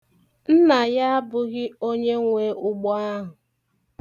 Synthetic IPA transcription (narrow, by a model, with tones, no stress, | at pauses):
n̩˦na˨ja˦a˦bʊ˨ɣɪ˦o˦ɲe˦ŋʷeː˦ʊ˦ɡ͡bɔ˦a˦ɦʊ˨